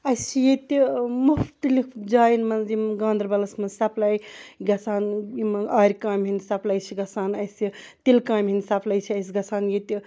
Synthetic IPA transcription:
ɐjst͡ʃʰijet̪ʲimuft̪ɐlikʰd͡ʒaːjinmɐnzimɡãːnd̪ɾbɐlɐsmɐnsɐplɐjɡɐsʰaːnjimaːɾʲkaːmɦinʲsɐplɐjt͡ʃʰiɡɐsaːnɐjsit̪ilkaːmɦinʲsɐpʰlɐjt͡ʃʰiɐjs̬ʲɡɐsʰaːnjet̪ʲi

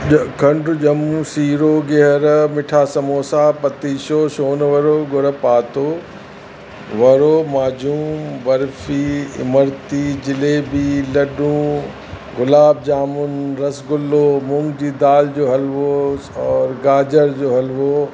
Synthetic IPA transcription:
kʰɐ̃ɳɖʊd͡ʑɐmũsiːɾoɡeɦəɾmɪʈʰaːsɐmoːsaːpɐt̪iːʃoːʃoːnʋɐɾoːɡʊɾəpaːt̪oː | ʋɐɾoːmaːd͡ʑuːmmʋɐɾfiːɪ̰məɾt̪id͡ʑɪleːbiːlɐɗũː | ɡʊlaːb̚d͡ʑaːmʊnɾɐsɡʊlːoːmʊ̃ŋɡd͡ʑiːd̪aːld͡ʑoːɦɐlʋoɔːɾɡaːd͡ʑəɾd͡ʑoːɦɐlʋo

